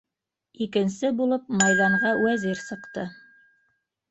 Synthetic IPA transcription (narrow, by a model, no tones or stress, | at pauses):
ikɘ̆nsɘbulˠɤpmɑjðɑɴʁɑwæziɾsɤ̆qt̪ɤ